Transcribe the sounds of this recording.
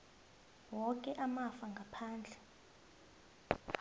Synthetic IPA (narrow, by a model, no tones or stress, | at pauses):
wɔkʼɛʔamafaŋɡʱapʰaːnd͡ɮʱɛ